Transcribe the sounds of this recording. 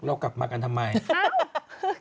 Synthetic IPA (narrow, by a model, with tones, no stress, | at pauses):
lɔ˦˩kla̰˨˩p̚maː˧ka˧nt̪ʰmːa˧j